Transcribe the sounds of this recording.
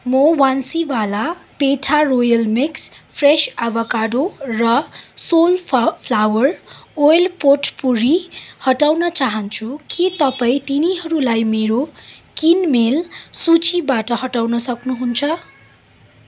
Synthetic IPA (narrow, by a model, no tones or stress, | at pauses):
mʌwansibalapeʈʰarojʌlmikspʰresabʌkaɽorʌsolpʰlawʌrojlpoʈʰpuɾihʌʈawnʌt͡saɦʌnt͡sʰukit̪ʌpaĩt̪iniɦʌɾulajmeɾokinmelsut͡sibaʈʌɦʌʈawnʌsʌknuɦunt͡sʰʌ